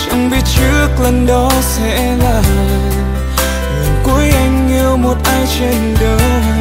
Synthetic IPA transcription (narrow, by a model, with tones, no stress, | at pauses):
t͡ɕa̰˧˥ŋ͡mɓi˧˦t̚t͡ɕɨ˦˥ək̚lə˨˩nɗɔ˨˦sɛ̰˧˥ | laː˨˩ | lə˨˩ku˨˦əjʔa˧jŋ̟i˧əwmo˨˩t̚ʔaː˧jt͡ɕe˧nɗəː˨˦